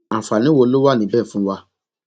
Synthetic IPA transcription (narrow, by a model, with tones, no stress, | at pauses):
a˨fa˨nĩ˨˦wo˧˦lo˦wa˦˨nĩ˨˦˨bɛː˦˨fũ˦wa˧